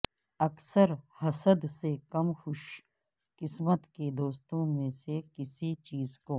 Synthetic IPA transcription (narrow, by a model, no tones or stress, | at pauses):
ɐksəɾhɐsəd̪sekɐmxʊʃ | kɪsmət̪ked̪oːst̪õmẽsekɪsit͡ʃiːzkoː